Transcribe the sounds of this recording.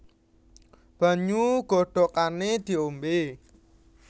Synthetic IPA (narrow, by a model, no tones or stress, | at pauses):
b̥a̤ɲuɡ̥ɔ̤ɖ̥ɔ̤kaned̪̥i̤ombe